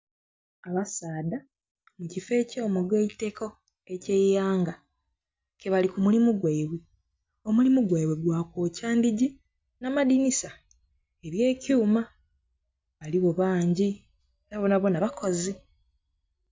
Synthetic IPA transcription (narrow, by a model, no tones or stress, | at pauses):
aβasaːda | mucife̞co̞ːmuɡwe̞ːite̞ko̞ | e̞ceijaːŋɡa | keβalikumulimuɡwejβwe | o̞mulimuɡwejβweɡwaːkwoːcaːndiɟi | namadinisa | e̞βje̞ːcuːma | βaliβo̞βaːɲɟi | naβonaβo̞naβakʰo̞zi